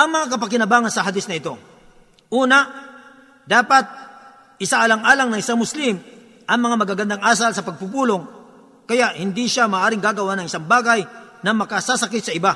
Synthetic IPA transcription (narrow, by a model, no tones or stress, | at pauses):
ʔɐŋmɐŋakɐpɐkɪnɐbaːŋɐnsɐɦɐd̪ɪsnɐɪt̪o̞ | ʔuːnɐ | d̪aːpɐt̪̚ | ʔɪsaʔɐlɐŋʔaːlaŋnɐŋʔɪsaŋmʊslɪm | ʔɐŋmɐŋamɐɡaɡɐnd̪aŋʔaːs̬alsɐpɐɡ̚pupuːlo̞ŋ | kɐjaʔhɪnd̪iʃamaːʔaːɾɪŋɡaːɡɐwanɐŋɪ̥saŋbaːɡɐjnɐmɐkɐsasɐkɪt̪sɐɪba